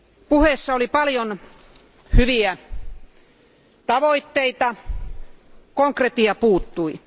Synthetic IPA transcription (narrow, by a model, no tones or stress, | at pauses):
puhesːɑolipɑljon | hyʋiæ | t̪ɑʋoit̪ːeit̪ɑ | koŋkret̪iɑpuːt̪ːui